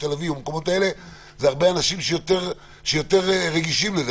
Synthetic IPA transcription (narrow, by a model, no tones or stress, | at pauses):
t̪elavivumkomo̞taele̞ | zeaʁbeanaʃimʃejo̞te̞ʁ | ʃejo̞t̪e̞ʁeʁeɡiʃimlez